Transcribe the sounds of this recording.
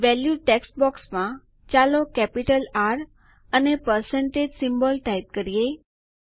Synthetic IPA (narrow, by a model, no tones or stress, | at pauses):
ʋɛljuʈeksʈ̚bɔksmã | t͡ɕalokɛpiʈəlaɾ | ənepəɾseɳʈed͡ʑsimbəlʈaip̚kəɾije